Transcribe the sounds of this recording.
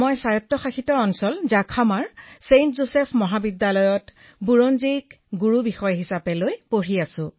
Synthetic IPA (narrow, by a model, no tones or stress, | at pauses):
mɔjsajɔtːɔxaxitɔɔnsɔlzakʰamaɹsentzosɛpʰmɔɦabidːalɔjɔt | buɹonzik | ɡuɹubixɔjɦisapɛlojpoɹiasʊ̃